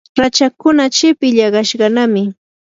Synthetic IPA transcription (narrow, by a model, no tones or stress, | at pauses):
ɾat͡ʃakʊnat͡ʃɪpɪʎɑɢɑʃɢɑnamɪ